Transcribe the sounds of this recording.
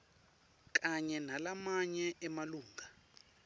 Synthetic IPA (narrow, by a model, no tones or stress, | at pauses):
k̬aɲɛnalamaɲɛʔɛmaluːŋʱa